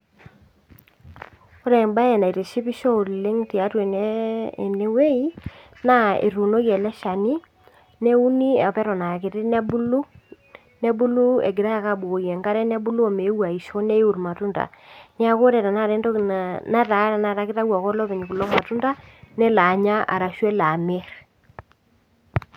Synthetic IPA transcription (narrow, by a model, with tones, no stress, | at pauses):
o˦ɾɛ˨mba˦jɛ˨na˨i˨te˨ʃi˦pi˦ʃɔ˦˨lle˦ŋti˨a˨˦twe˨n˦˨ne˦we˦i˦ | na˦ḛ˨ɾu˨no˦ɣjɛ˨lɛ˦ʃa˨ni˦ | nɛ˦u˦ni˦a˨pɛ˦ɾɔ˨na˨ke˨ɾɪ˦n˦bu˦lu˦ | nɛ˦bu˦lu˦ḛ˨ɡɪ˨ɾa˦ja˨ka˦bo˨o˨jɛ˨ŋɡa˦ɾɛ˦nɛ˦bu˦lu˦ɔ˨me˨˦wa˨i˨ʃɔ˦nɛ˦u˨ɾma˨tu˦nda̰˨n˦a˦ko˦ɾɛ˨ɾa˨na˦ɾɛ˦ndɔ˦na˦ta˨˦ɾa˨na˨ɾa˨kɪ˦ta˦wa˨kɔ˦lɔ˦pɛ˨ɲi˨ku˨lɔ˦ma˨tu˦nda˦nɛ˦la˨ɲa˦ʔa̰˨ɾa˨ʃwɛ˦la˨me˦ɾ